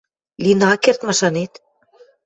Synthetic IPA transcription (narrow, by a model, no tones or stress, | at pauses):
lʲinɑkert̪mɑʃɑnet̪